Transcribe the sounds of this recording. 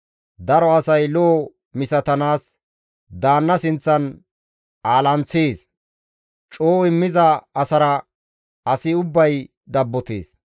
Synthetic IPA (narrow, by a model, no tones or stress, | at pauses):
d̪ɐɾɔɐsɐjloː | mɪsɐt̪ɐnaːs | d̪aːnːɐsɪnt͡sːɐn | aːlɐnt͡sːeːs | t͡ʃʼoːɪmːɪzɐːsɐɾɐ | ɐsɪʊbːɐj | d̪ɐbːɔt̪ḛːs